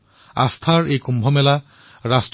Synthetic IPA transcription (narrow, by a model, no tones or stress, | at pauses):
a̰st̪ʰaɹejkumbʱɔmɛla | ɹasʈ